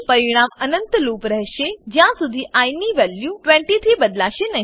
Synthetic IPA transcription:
pɐɾiɽ̃aːmɐnə̃nt̪luːpɾɐɦʃed͡ʑjãsʊd̪ʱiʔaːɪniʋɛːljuʈʋẽːɳʈit̪ʰɾiːbɐd̪laːʃenɐ

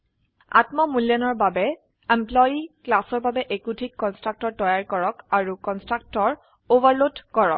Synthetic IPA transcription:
a̰tmɔmuljɔnɔɹbabɛ | emplɔjiklasɔɹbabɛʔekutʰikːɔnstɹak̚tɔɹtɔjaɹkɔɹɔkaɹukɔnstɹak̚tɔɹ | ovaɹlodkɔɹɔ̰k̚

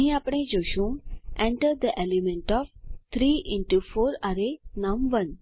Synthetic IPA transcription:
ɦĩapɽ̃ẽd͡ʒoːʃũŋẽɳʈəɾd̪əʔelimẽɳʈɔːʋt̪ʰɾiːʔɪ̃ɳʈufoːɾaɾenãmʋən

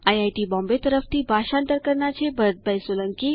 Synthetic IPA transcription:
ajajʈiːbɔ̃mbet̪əɾəft̪iːbʱaɕant̪əɾkəɾɳat͡ɕebʱət̪̚bʱəjsʋələŋki

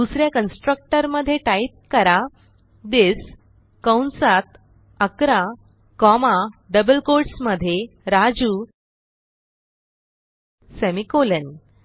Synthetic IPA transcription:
usɾjakənsʈɾək̚ʈəɾməd̪ʱːjeʈait̪̚kəɾa | d̪es | kəwnsat̪ | əkɾa | kɔmaɖəbəlkoɾʈsməd̪ʱːjeɾad͡ʑu | semikolən

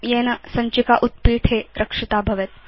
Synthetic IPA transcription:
jenɐsɐɲt͡ɕikaʔut̪̚piːt̪ʰɦeɾəkʂit̪abʱɐʋet̪̚

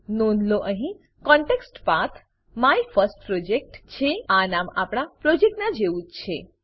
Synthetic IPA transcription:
nonloʔəɦĩ | kɔ̃ɳʈeksʈpat̪ʰ | maifəɾsʈ̚pɾod͡ʒek̚ʈt͡ʃʰeanamapɽ̃apɾod͡ʒek̚ʈnad͡ʒeũtt͡ʃʰe

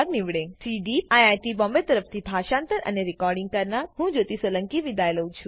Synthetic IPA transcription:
aɡniʋɽẽsiɖiajajʈibɔ̃mbet̪əɾəpʰt̪ʰibʱaʃãnt̪əɾə̰neɾikɔɾɖĩŋɡ̚kəɾnaɾɦũd͡ʒot̪isələ̃ŋkiʋid̪ʱajləũt͡ʃʰũ

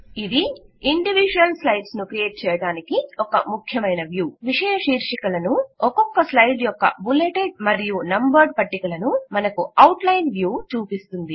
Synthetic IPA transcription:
id̪iiɳɖiʋid͡ʒuɐlslɐjɖsnukɾijeːʈ̚t͡ʃɛːjɐɽaːnikiɔkɐmukʰjɐmɐjnɐʋjuːʋiʂɛːjɐʂiːɾʂikɐlɐnuɔkɔkːɐslɐjɖjɔkːɐ̰buleːʈeɖmɐɾijunɐmbɐɾɖpɐʈːikɐlɐnumɐnɐkuɐwʈlɐjnʋjuːt͡ʃuːpist̪und̪i

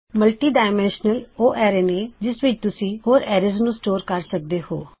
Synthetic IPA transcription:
məlʈiːɖaːɪmɛ̃ːnʃnəloːʔɛːɾeːneːd͡ʒɪsʋɪt͡ʃt̪ʊsĩːhoːɾɛːɾɪznũːsʈoːɾkəɾsək̚d̪eːho̰ː

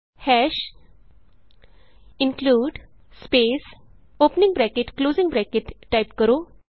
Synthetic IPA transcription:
hɛʃ | inkluːɖ | speːs | oːpnĩŋɡbɾɛkeʈkloːzĩŋbɾɛkeʈːajpkəɾo

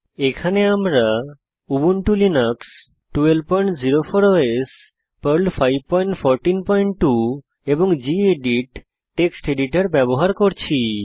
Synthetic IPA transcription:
ekʰaneamɾa | ubunʈulinaks | ʈuelpɔjɳʈd͡ʑiɾofoɾoes | pəɾlfʰajb̚pɔjɳʈfʰɔɾʈinpɔjɳʈʈu | eboŋd͡ʑieɖiʈ | ʈːeksʈeɖiʈaɾbɛboɦaɾkoɾt͡ɕʰi

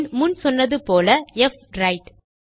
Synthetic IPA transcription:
nmʊnsɔnːɐðɯpoːlɐɛf | ɾɐɪʈ

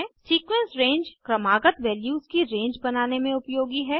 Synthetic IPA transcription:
siːkʋẽnsɾẽːɲd͡ʒkɾɐmaːɡət̪ʋɛːljuːzkiɾẽːɲd͡ʒbɐnaːnemẽʊpjoːɡiɦɛː

